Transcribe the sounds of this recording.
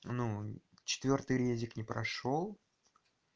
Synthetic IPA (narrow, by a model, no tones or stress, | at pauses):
nut͡ɕɪ̥t̪vʲo̞rt̪ɨjɾʲezʲɪknʲɪpɾɐ̰ʂo̞lˠ